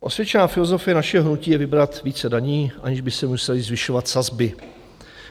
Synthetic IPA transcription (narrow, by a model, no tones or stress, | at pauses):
ʔo̞svjɛt͡ʃɛnaːfɪlozo̞fɪjɛnaʃɛɦoɦnuciːjɛvɪbɾat̪viːt͡sɛdaɲiːʔa̰ɲɪʒbɪsɛmusɛlɪzvɪʃo̞vat̪sazbɪ